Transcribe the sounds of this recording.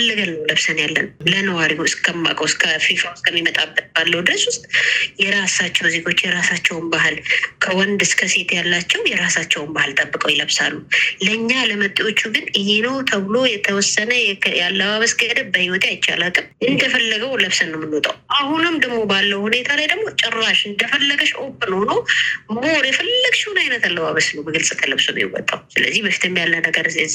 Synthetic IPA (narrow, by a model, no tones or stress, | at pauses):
fəlːəɡalnəwləβsənjalːə̰nlənəwaɾiɨskʰəmːa̰kʼəwskʰəfifaskʰəmːimət̪ʼabd̪əbalːəwd̪ɨɾəswʊst̪ʼjɛɾasat͡ʃːɛwzeɡo̞t͡ʃːjɛɾasat͡ʃːɛwʊnbaɦɨlkʰəwɔnd̪ɨskʰəse̞t̪jalːat͡ʃːɛwjɛɾasat͡ʃːɛwmbahɨlt̪ʼəbːɨkʼəwjɪləβsalːuləɨɲːaləmət̪ʼːio̞t͡ʃːuɡɨnɨhenəwt̪ʰəβɨlo̞jɛt̪ʰəwɔsːənəjɛjalːəβaβəsɡəd̪əbəhiwɔt̪ʰeajɪt͡ʃːa̰lakʼɨmɨnd̪əfəlːəɡəwləβsənːəwmːɨnːot̪ʼʰa̰wʔahunɨmd̪əɡmo̞balːəwhune̞t̪ʰalajd̪əɡmo̞t͡ʃʼɪrːaʃɨnd̪əfəlːəɡəʃʔo̞bənəwnomoɾjɛfəlːəɡʃunajnət̪alːəβaβəsnəwbəɡɨlsʼɨt̪ʰələβsəmjɛ̰wɔ̰t̪ʼːawsɨlə̰zːihbəfi̥t̪ʰɨmbjalːənəɡəɾɨzɛz